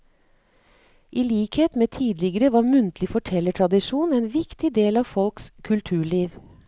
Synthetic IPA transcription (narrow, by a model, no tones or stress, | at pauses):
ʔiːliːkheːt̪meːt̪ʰiːd̪lɪɡəɾəʋɑːɾmʉnt̪lɪfɔʈʰɛləʈʰɾɑd̪ɪʃuːneːnʋɪkt̪ɪd̪eːlɑːʋfɔlkskʰʉlt̪ʰʉːɭiːʋ